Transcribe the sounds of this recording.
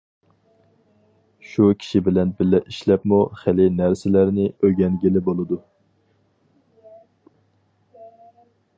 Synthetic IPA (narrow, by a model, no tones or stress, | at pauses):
ʃukʲʰi̥ʃibɪlɛnbɪlːɛʔiʃlɛpmuχelɪnæɾsɪlæɾnɪøɡʲɛnɡʲilɪbolˠɨd̪u